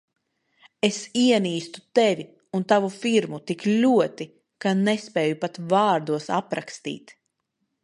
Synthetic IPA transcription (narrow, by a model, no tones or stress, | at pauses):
esiɛniːst̪u̥t̪evʲi | unt̪avufiɾmut̪iklʲuɔt̪i | kanespɛːjupat̪vaːɾd̪uɔsapɾakst̪ḭːt̪